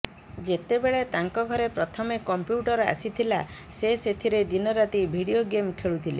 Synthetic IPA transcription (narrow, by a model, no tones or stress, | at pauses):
d͡ʒet̪ebeɭet̪aŋkɔɡʱɔɾepɾɔt̪ʰɔmekɔmpjuʈɔɾa̰sit̪ʰila | seset̪ʰiɾed̪inɔɾat̪ibʱiɽioɡemkʰeɭut̪ʰile